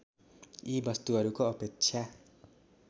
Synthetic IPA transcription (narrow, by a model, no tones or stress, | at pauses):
ibʌst̪uɦʌɾukoʌpek̚t͡sʰja